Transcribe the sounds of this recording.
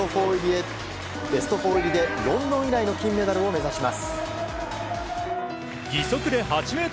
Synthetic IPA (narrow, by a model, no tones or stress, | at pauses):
o | be̞sɨ̥t̪o̞ɸo̞ːiɾʲid̪e̞jõ̞nd̪õɰ̃iɾaino̞kʲĩmːe̞d̪aɾɯ̟o̞me̞zaɕimasɨ̥ | ɡʲiso̞kɯ̟d̪e̞ɦat͡ɕime̞ːt̪